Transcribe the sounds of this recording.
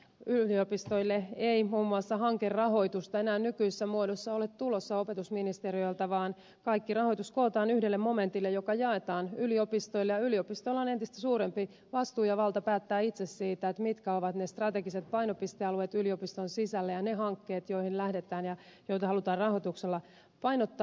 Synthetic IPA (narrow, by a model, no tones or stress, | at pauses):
yliopist̪o̞ilːeeimuːmːuɑsːɑɦɑŋkerrɑɦo̞it̪ust̪ɑenæːnnykyisesːæmuodosːɑolet̪t̪ulosːɑo̞pet̪usminist̪eɾioilt̪ɑʋɑːn | kɑikːirɑho̞jt̪uskoːt̪ɑːnyhdelːemo̞me̞nt̪ilːejokɑjɑet̪ɑːnyliopist̪oilːejɑyliopist̪oilːɑne̞nt̪ist̪æ̥suːɾempi | ʋɑst̪uːjɑʋɑlt̪ɑpæːt̪ːæːit̪sessiːt̪æet̪mit̪kæoʋɑt̪nest̪rɑt̪e̞ɡiset̪̚pɑinopist̪eɑluet̪yliopist̪onsisælːæjɑnehɑŋkːeːt̪jo̞ihillæhdet̪æːnjɑ | jo̞jt̪ɑhɑlut̪ɑːrrɑɦot̪ukselːɑ | pɑinot̪ːɑ